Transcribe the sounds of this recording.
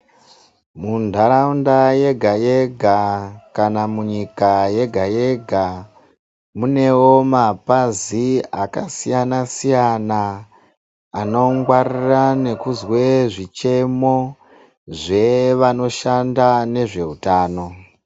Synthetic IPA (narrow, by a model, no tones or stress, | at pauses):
mundʱaɾaundaje̞ɡʱaje̞ɡʱakanamuɲikaje̞ɡʱaje̞ɡʱa | mune̞wo̞mapaziakasijanasijana | no̞ŋɡwarirane̞kuzwe̞ʐit͡ʃe̞mo̞ | ʐe̞ʋano̞ʃandane̞ʐe̞utaːno̞